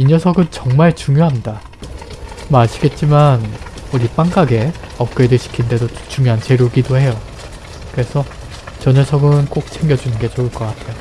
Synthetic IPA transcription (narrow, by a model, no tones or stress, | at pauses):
iɲʌsʰʌɡɯnt͡ɕʌŋmaɭt͡ɕuŋjoɦanda | maɕʰiɡe̞t̚t͡ɕ͈imanuɾip͈aŋk͈aɡe̞ʌp̚k͈edɯɭɕʰi̥kʰinde̞dot͡ɕuŋjoɦant͡ɕe̞ɾjoɡidohe̞jo | kɯɾe̞sʰʌ | t͡ɕʌɲʌsʰʌɡɯnk͈ok̚t͡ɕʰe̞ŋɡjʌd͡ʑunɯnɡe̞t͡ɕouɭk͈ʌk͈atʰejo